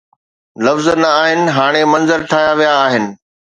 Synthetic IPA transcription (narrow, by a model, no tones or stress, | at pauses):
lɐfznɐaːɦɪnɪ̆ɦaːɽ̃emɐ̃nzəɾʈʰaːjaʋijaːɦɪnɪ̆